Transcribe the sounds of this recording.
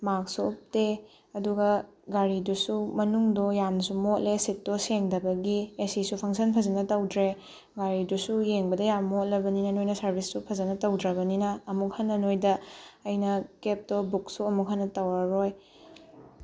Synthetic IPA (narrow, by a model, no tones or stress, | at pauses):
mak̚sop̚te | ɐduɡɐ | ɡaɾidusumɐnuŋdɔjansumotlesit̚dɔseŋdɐbɐɡiesisupʰɐŋsɐnpʰɐzɐnɐtɐwdɾe | ɡaɾidusujeŋbɐdɐjammot̚lɐbɐninɐnojnɐsɐɾbʱisːupʰɐzɐnɐtɐwdɾɐbɐninɐːmukhɐnːɐnojdɐɐjnɐkep̚dɔbuk̚suɐmuk̚ɦɐnːɐtɐwaɾoj